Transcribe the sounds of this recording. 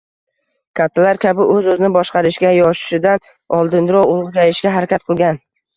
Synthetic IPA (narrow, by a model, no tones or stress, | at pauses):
kʰʲat̪ʰːalaɾkʲabɪʔɵzɵzɪnɪbɒʃqɑɾɪʃɡʲajɒʃɪ̥ʃɪd̪an | ɒlˠd̪ɪnɪɾɒwʊlˠʁd͡ʒajɪʃɡʲaɦaɾakʲat̪̚qʰɨlˠɡʲan